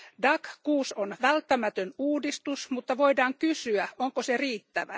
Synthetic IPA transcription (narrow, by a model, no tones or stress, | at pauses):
dɑkkuːsonʋælt̪ːæmæt̪ønuːdist̪usmut̪ːɑʋoidɑːŋkysyæʔoŋkoseriːt̪ːæʋæ